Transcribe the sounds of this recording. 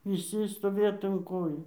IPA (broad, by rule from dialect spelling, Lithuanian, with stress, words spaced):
ʋʲɪˈsʲɪ stoːˈʋʲeːt ʊn ˈkoːjuː